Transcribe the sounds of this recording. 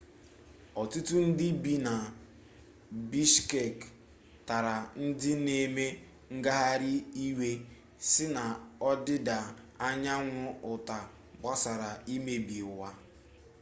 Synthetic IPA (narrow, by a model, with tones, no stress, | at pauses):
ɔ˨tu˦tu˦n̩˦dɪ˦bi˦na˨ | bi˦ʃke˨k | ta˨ɾa˨n̩˦dɪ˦ne˨me˦ | ŋ̩˦ɡa˦ɦa˦ɾɪ˦i˦we˦ | sɪ˦na˨ɔ˦dɪ˦da˨ | a˦ɲa˦ŋʷʊ˦ʊ˨ta˨ | ba˦sa˨ɾa˨i˦me˦bi˨wa˦